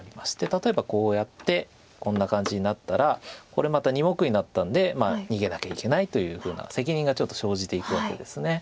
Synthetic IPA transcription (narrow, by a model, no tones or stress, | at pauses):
ɾʲimaɕi̥t̪e̞t̪at̪o̞e̞bako̞ːjat̪ːe̞ | kõ̞nːakãɲ̟d͡ʑiɲ̟inat̪ːaɾako̞ɾe̞mat̪aɲ̟imo̞kɯ̟ɲ̟inat̪ːãnd̪e̞maːɲ̟iɡe̞nakʲaike̞nait̪o̞jɯ̟ːɸɯ̟ːna̰se̞k̬ʲiɲ̟ĩŋɡat͡ɕo̞t̪ːo̞̥ɕo̞ːʑit̪e̞ikɯ̟βake̞̰d̪e̞sɨne̞